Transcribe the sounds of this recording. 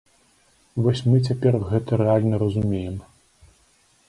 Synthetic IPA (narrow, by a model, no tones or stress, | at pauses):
vɔsʲmɨt͡sʲapʲɛrɣɛt̪ɐɾɛalʲnɐɾɐzumʲejɛm